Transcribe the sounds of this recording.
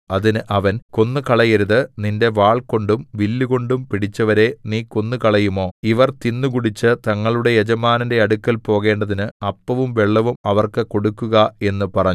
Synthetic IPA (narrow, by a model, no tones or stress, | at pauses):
ɐðinɨʔɐʋɐnko̞nːɨkɐɭɐjɐɾuðɨninde̞ʋaːɭko̞ɳɖumʋilːuɣo̞ɳɖumpiɽit͡ɕːɐʋɐɾe̞niːko̞nːukɐɭɐjumo̞ːiʋɐrt̪inːukuɽit͡ɕːɨt̪ɐŋːɐɭuɽe̞jed͡ʑɐmaːnɐnde̞ɐɽukːɐlpo̞ːɣe̞ːɳɖɐðinɨɐpːɐʋumʋe̞ɭːɐʋumɐʋɐrkɨko̞ɽukːuɣɐe̞nːupɐrɐɲː